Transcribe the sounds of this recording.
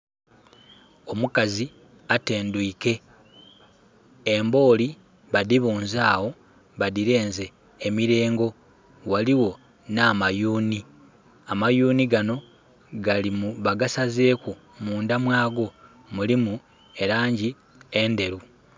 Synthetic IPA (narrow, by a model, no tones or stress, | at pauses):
o̞mukazi | ate̞ːnduike̞ | embo̞ːli | βaðiβuːnzaːwo̞ | βaðiɾe̞ːnze̞ː | miɾe̞ːŋɡo̞ | waliwo̞ | naːmajuːni | amajuːniɡano̞ | ɡalimuβaɡasazeːku | muːndamwaːɡo̞ | mulimu | e̞ɾaːɲɟi | e̞nde̞ɾu